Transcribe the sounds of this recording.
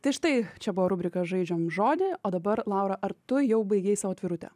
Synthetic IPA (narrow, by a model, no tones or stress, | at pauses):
t̪ɐɪʃt̪ɐɪt͡ʃʲɛbʊʋoɾʊbʲɾʲɪkɐʒɐɪd͡ʒʲoːmʒoːd̪ʲɪoːd̪ɐbɐɾlˠɑˑʊɾɐʔɐɾt̪ʊjɛʊbɐɪɡʲeːɪsɑʋoːt̪ʲʋʲɪɾʊt̪ʲɛ̰